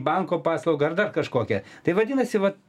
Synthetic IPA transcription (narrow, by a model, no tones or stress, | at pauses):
bɐŋkoːpɑːslˠɐʊɡɐɐrd̪ɐrkɐʃkoːkʲɛt̪ɐɪʋɐdʲɪːnɐsʲɪʋɐ